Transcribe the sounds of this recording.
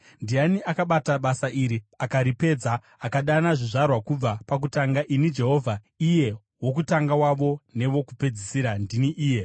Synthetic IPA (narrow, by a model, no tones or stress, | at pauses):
ndianiʔakaɓataɓasaʔiɾiakaɾipe̞d͡zaː | kaɗanaʐiʐarwakub͡vapak̬utaŋɡaʔinid͡ʒe̞ɦo̞ːvʱa | ije̞ | wo̞k̬utaŋɡawaʋo̞ne̞ʋo̞kupe̞d͡zisiɾandiniʔiːje̞